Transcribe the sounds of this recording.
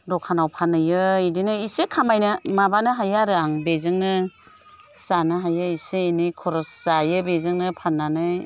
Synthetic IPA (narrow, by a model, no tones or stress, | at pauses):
dɔkʰanawpʰanɯjɯidinɯisekʰamajnɯmabanɯɦajaɾɯaŋbezɯŋnɯ | sanɯɦajɯiseːnikʰɔɾɔssajɯbezɯŋnɯpʰanːanɯj